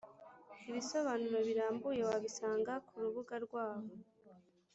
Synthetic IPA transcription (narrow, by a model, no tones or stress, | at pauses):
iβiso̞βanuɾaβiɾaːmbujewaβisaːŋɡakʰuɾuβuɡaɾɡwaːβo